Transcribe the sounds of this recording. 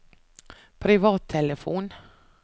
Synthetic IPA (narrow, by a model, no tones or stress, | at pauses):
pʰɾɪvɑːt̪ʰːɛləfuːn